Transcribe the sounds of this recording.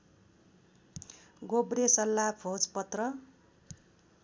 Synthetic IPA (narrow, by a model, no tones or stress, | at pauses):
ɡobɾesʌlːabʰʱod͡zpʌt̪rʌ